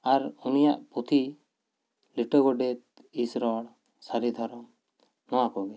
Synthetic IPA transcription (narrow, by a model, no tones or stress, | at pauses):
aɾunija̰ʔput̪ʰi | liʈɔɡɔɖɛt̪̚ | isɾɔɽ | saɾid̪ʱɔɾɔm | nɔwakɔɡɛ